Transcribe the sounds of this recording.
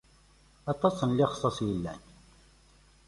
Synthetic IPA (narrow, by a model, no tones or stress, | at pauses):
ɑt̪ˤːɑsənliχsˤɑsˤjəlːæ̰n